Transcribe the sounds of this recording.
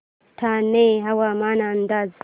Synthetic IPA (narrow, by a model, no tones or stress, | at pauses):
tʰaneɦawamaːnand̪az